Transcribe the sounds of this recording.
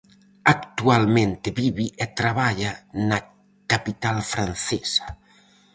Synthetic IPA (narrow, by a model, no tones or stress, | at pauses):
akt̪ualmẽnt̪eβiβiʔet̪ɾaβaʎana | kapit̪alfɾanθɛsḁ